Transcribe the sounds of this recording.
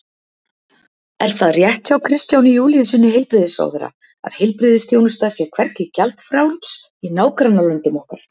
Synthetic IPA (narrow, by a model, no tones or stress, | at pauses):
ɛɾ̥θaðrjɛht̪çawkʰɾɪst̪jawnijuːlijʏsɪnːɪɦejlpɾɪðɪsa̰wðɛɾa̰ | a̰ðhɪjlpɾɪðɪsθjownʏst̪asjɛkʰv̥ɛɾt̪cɪcalt̪fɾaːwlt̪s | inaːwkɾanːalʏnt̪ʏmɔhkaɾ